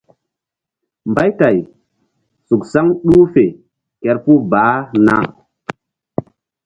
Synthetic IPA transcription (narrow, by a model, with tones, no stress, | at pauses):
mba˦jta˨j | su˨ksa˦ŋɗu˦fe˨ | kɛ˨ɾpu˦baː˨˦na̰˦